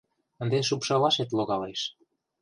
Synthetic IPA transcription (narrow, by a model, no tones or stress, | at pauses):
ə̆nd̪eʃ̬upʃɑlɑʃet̪loɣɑleʃ